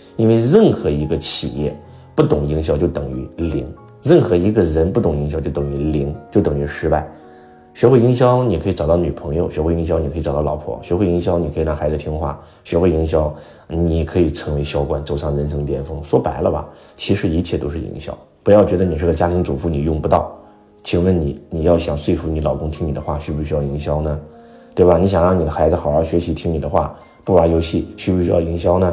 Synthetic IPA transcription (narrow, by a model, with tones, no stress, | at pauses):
i˥nwe˥˧ɪɻə˥˩nxɤ˧˥i˧˥ɡə˧t͡ɕʰi˨˩jɛ̰˥˧ | pu˥˩t̪ʊ˨˩ŋi˧˥ŋɕjɑ˥˧ʊt͡ɕjo˥˩ʊt̪ɤ˨˩ŋy˧˥lḭ˧˥ŋ | ɻə˥˩nxɤ˧˥i˧˥ɡə˧ɻə˧˥npu˥˩t̪ʊ˨˩ŋi˧˥ŋɕjɑ˥˧t͡ɕo˥˩t̪ɤ˨˩ŋy˧˥li˧˥ŋt͡ɕjo˥˩ʊt̪ɤ˨˩ŋy˧˥ʂɻ̩˧˥pa˥˩ɪ | ɕɥɛ˧˥xwe˥˩ɪi˥ŋɕ̬jɑ˥ʊni˨kʰɤ˧˥i˧˩ʈ͡ʂɑ˨˩ʊt̪ɑ˥˩ʊny˨˩pʰɤ˧˥ŋjo˧ʊɕɥɛ˧˥xwe˥˩ɪ˧˥ŋɕjɑ˥ni˨˩kʰi˧˩ʈ͡ʂt̪ɑ˥˩˧lɑ˧˥ʊpʰwɔ̰˥˩ɕɥɛ˧˥xwe˥˩ɪi˧˥ŋɕjɑ˥ʊni˨kʰi˨˩ɻɑ˥˩xa˧˥ɪd͡zɹ̩˧t̪ʰi˥ŋxwa̰˥˩ | ɕɥɛ˧˥xwi˧˥ŋɕ̬jɑ˥ʊ | ni˨˩kʰɤ˧˥i˨˩t͡sʰɤ˧˥ŋwe˧˥ɪɕjɑ˥ʊkwa˨˩nt͡so˨˩ʊʂɑ˥˩ŋɻə˧˥nt͡sʰɤ˧˥ŋt̪jɛ˥˩nfɤ˥ŋswɔ˥pa˧˥ɪlə̰˧bɐ̰˨ | t͡ɕʰi˧˥ʂɻ̩˧˥i˧˥t͡ɕʰjɛ˥˩t̪o˥ʊʂɻ̩˥˩˨ḭ˧˥ŋɕjɑ̰˥˩ʊ | pu˧˥jɑ˥˩ʊt͡ɕɥɛ˧˥d̪ə˧ni˨˩ʂɻ̩˥˩ə˩t͡ɕja˥t̪ʰi˧˥ŋt͡su˨˩fu˥˧ni˨˩jʊ˥˩ŋpu˧˥t̪ɑ˥˩ʊ | t͡ɕʰi˧˥ŋwə˥˩nni˨˩˦ni˨˩jɑ˥˩ʊɕjɑ˨˩ŋswe˥˧ɪfu˧˥ni˧˥lɑ˨˩ʊkʊ˥ŋt̪ʰi˥ŋni˨˩d̪ə˦xwa̰˥˩ɕy˧˥pu˧ɕy˧˥jɑ˥˩ʊi˧˥ŋɕjɑ˥ʊnə˨ | t̪we˥˩ɪbɐ˨˩ni˧˥ɕjɑ˨˩ŋɻɑ˥˩ŋni˨˩d̪ə˦xa˧˥ɪd͡zɹ̩˧xɑ˨˩ʊɑ˥˩ʊɕɥɛ˧˥ɕi˧˥t̪ʰi˥ŋni˨˩d̪ə˦xwa̰˥˩ | pu˥˩wa˧˥jo˧˥ʊɕi˥˩ɕy˥pu˧˩ɕy˥jɑ̰˥˩ʊi˧˥ŋɕ̬jɑ˥ʊnə˨